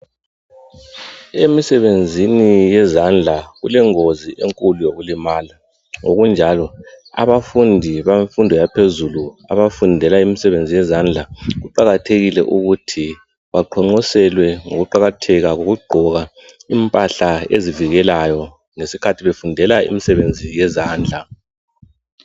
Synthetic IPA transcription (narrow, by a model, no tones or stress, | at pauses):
emisɛβend͡zʱinijɛzand͡ɮʱaɣulɛŋoziʔeŋkʼulujoɣulimala | ŋoɣund͡ʒʱalɔa̰βafundʱiβafundʱɔjapʰezulua̰βafundʱɛlaimisɛβend͡zʱijɛzand͡ɮʱaɣuǃaɣatʰeɣilɛ̰ʔuɣutʰi | βaǃʰɔŋ͡ǃɔsɛlwɛŋo̰ɣuǃaɣatʰɛɣaɣoɣuɡ͡ǃʱɔɣa | impʼaɬaeziviɣɛlajɔ | ŋesikʰatʰiβefundʱɛlaḭmisɛβend͡zʱijɛzaːnd͡ɮʱa